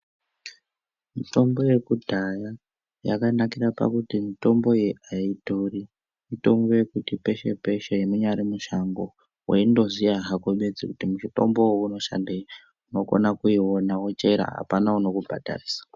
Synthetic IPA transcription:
mito̞mbo̞je̞kudʱaja | ja̰kanakirapa̰kutimito̞mbo̞jeʔaito̞ri | mito̞mbo̞je̞kutipe̞ʃe̞̰pe̞ʃejemuɲaɾimuʃaŋɡo̞ | wḛindo̞zijaɦakoɓed͡zḭkutimuʃito̞̰mbo̞wouno̞ʃa̰ndei | uno̞ko̞̰nakuiwonawot͡ʃe̞ɾa̰ɦa̰panauno̞kubʱa̰dʱa̰riːsḁ

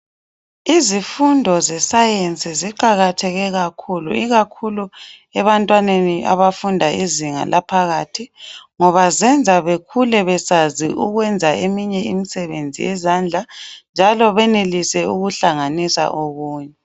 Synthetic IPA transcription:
izifundʱɔzɛsajent͡sʼiziǃaɣatʰɛɣɛɣakʰulṵiɣakʰulu | ɛβantʼwaneniʔa̰βafundʱaiziŋa̰lʔapʰaɣaːtʰiŋɔβazɛnd͡zʱaβekʰulɛβɛsaziʔuɣwɛnd͡zʱaemiɲɛimisɛβend͡zʱḭjɛzand͡ɮʱand͡ʒʱalɔβɛnelisɛuɣuɬaŋanisa̰ʔoɣuːɲɛ

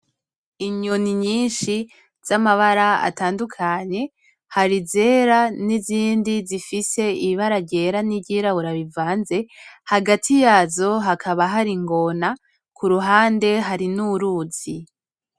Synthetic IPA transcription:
iɲoniɲiːnʃi | z̥amaβaɾaa̰taːndukʰaɲe̞ | haɾize̞ːɾaniziːndizifise̞iβaɾaɟe̞ɾaniɟiːɾauɾaβivaːnze̞haɡatʰijaːzo̞ɦakʰaβaɦaɾiŋɡo̞na | kʰuɾuɦaːnde̞ɦaɾinuɾuːz̥i

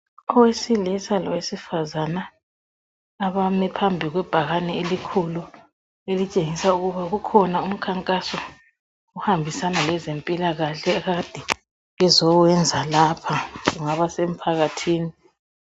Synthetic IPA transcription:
ɔwesilisalɔwesifazana | βamɛpʰambʱiɣwɛb̥ʱaɣanɛelikʰulu | elit͡ʃʼeŋisauɣuβaɣukʰɔnaum̩kʰaŋkʼasɔ | uhambʱisanalɛzempʼilaɣaɬɛɣad̥ʱɛ | ɣɛzɔwɛnd͡zʱalapʰaɣuŋaβasem̩pʰaɣatʰiːni

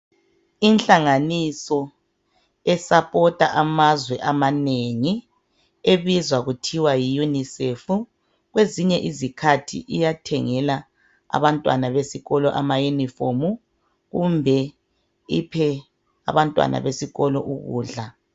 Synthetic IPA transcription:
inɬaŋanisɔ | ɛsapʼɔtʼaʔamazwɛʔamaneŋi | eβizwaɣutʰiwajijunisefu | ɣweziɲɛʔizikʰatʰḭʔijatʰɛŋɛla | a̰βantʼwa̰naβesiɣɔlɔʔamajunifomu | ɣumbʱɛ | ipʰɛ | a̰βantʼwa̰nʔa̰βesiɣɔlɔ̰ʔuɣṵːɮa

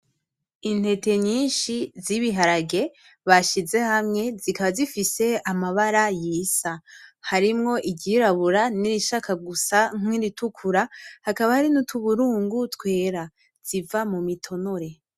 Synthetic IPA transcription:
in̥he̞te̞ɲiːnʃiziβiɦaɾaɡe̞ | βaʃize̞hamŋe̞zikaβazifise̞amaβaɾajiːsahaɾimŋo̞ʔiɟiɾaβuɾaniɾiʃakʰaɡusaŋ̥wiɾitukʰuɾahakaβahaɾinutʰuβuɾuːŋɡutwe̞ːɾa | z̥ivamumitʰo̞no̞ɾe̞

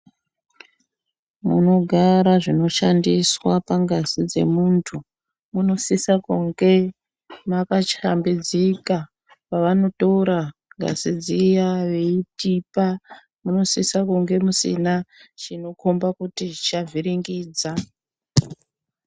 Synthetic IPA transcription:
mṵno̞ɡʱaɾaʐino̞ʃandiswapaŋɡasid͡ze̞̰muntʰu | muno̞sisakuŋɡe̞ | makat͡ʃambed͡zika | paʋano̞touɾaŋɡa̰sid͡zijaʋeitipa | muno̞sisakuŋɡe̞musḭnat͡ʃino̞kombakutit͡ʃavʱiɾiŋɡiːd͡za

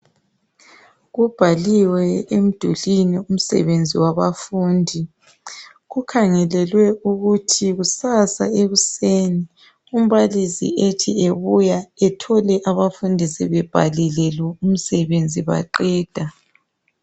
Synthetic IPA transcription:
ɣub̥ʱaliwɛem̩d̥ʱulinium̩sɛ̰βend͡zʱiwaβafuːndʱi | ɣukʰaŋɛlɛlwɛuɣutʰiɣusasa̰eɣuseːni | um̩βalisḭetʰieβujaɛtʰɔlɛʔaβafundʱisɛβɛb̥ʱa̰lilɛlɛum̩sɛβend͡zʱiβa̰ǃɛːd̥ʱa

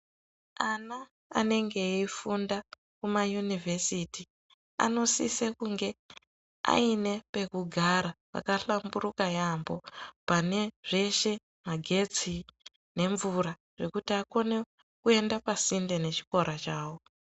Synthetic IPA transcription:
ana̰ː | ne̞ŋɡe̞ifunda | kumajunivʱe̞siti | a̰no̞sisekuŋɡe̞ | a̰ine̞pe̞kuɡʱaɾapa̰kaɬamburukajambo̞pane̞ʐ̥e̞ʃe̞ | maɡʱe̞t͡si | ne̞ɱvuɾa | ʐe̞kutiako̞ne̞ | kue̞ndapasindene̞t͡ʃi̥ko̞ɾat͡ʃaːwo

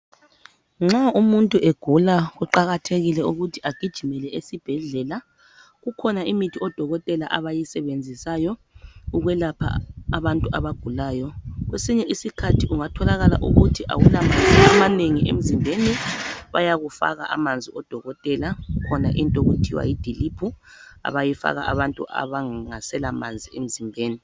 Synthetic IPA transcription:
ŋ͡ǁaumuntʼuʔeɡ̥ʱulaɣuǃaɣatʰeɣilɛuɣutʰi̥ʔaɡ̥ʱid̥ʒ̥ʱimɛlɛesib̥ʱɛɮɛla | ɣukʰɔnaimitʰiɔd̥ʱɔɣɔtʼɛlaʔaβajisɛβend͡zʱisajɔuɣwɛlapʰa̰aβantʼua̰βaɡ̥ʱulaːjɔɣwesiɲɛʔisikʰatʰiʔuŋatʰɔlaɣala̰ʔuɣutʰiʔa̰wulamand͡zʱiamaneŋiḛm̩zimbʱeniβa̰jaɣufa̰ɣaʔa̰mand͡zʱiɔd̥ʱɔɣɔtʼɛlakʰɔna̰ʔintʼoɣutʰiwa̰jid̥ʱilipʰua̰βajifa̰ɣa̰ʔaβantʼṵʔa̰βaŋasɛlamand͡zʱiem̩zimbʱeːni

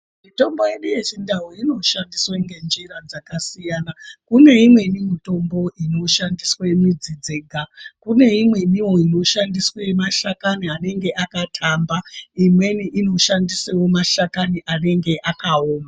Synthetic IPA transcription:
mito̞mbo̞je̞ɗuje̞t͡ʃindaɦoino̞ʃandisweŋɡe̞nd͡ʒiɾad͡zakasijaːnakune̞imwe̞nimito̞mbo̞ʔino̞ʃandiswemid͡zid͡zeɡʱakune̞imwe̞niwo̞ino̞ʃandiswemaʃakaniane̞ŋɡe̞ʔakatʰambaimwe̞niʔino̞ʃandisewo̞maʃakaniʔane̞ŋɡe̞ʔakaoːma

